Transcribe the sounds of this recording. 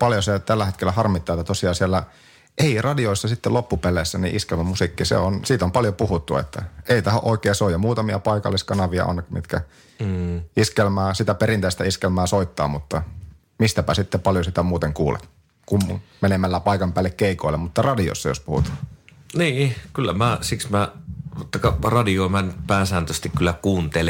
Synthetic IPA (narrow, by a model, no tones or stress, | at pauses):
pɑljoset̪ælːæet̪kelːˑæhɑrmit̪ːɑet̪ːæt̪osiɑːsiælːæ | ʔeirɑdioisːɑsit̪ːelopːupeleːsːænḭʔiskelmæmusikːisḛonsiːt̪ompɑljopuhut̪ːuḛt̪ːæ̰eit̪ɑho̰ʔoˑikeːsoˑijɑmuːt̪ɑmiɑpɑikɑ̰lːiskɑnɑʋiɑ̰ʔo̰nːekmḭt̪kæ | iskelmæːsit̪æperint̪eˑist̪æiskelmæːsoit̪ːɑ̰ːmut̪ːɑ | mist̪æpæsit̪ːepɑljosit̪æmuːt̪eŋkuːlḛt̪ | kummenemælːæpɑikɑmpæːlːekkeˑikoilːemmut̪ːɑrɑdio̰sːɑjo̰spuhṵt̪ɑ̥ːniːkylːæmæsiksmæot̪ːɑkɑrɑdiomænːyt̪pæːsæːnt̪øst̪ikkylːækuːnt̪el